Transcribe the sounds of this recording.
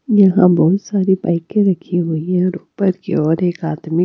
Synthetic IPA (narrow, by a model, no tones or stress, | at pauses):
jɐɦãbɔɦʊt̪saːɾibaːɪkeɾɐkʰiɦoiãɾuːpəɾkḭɔːɾeːkaːt̪mi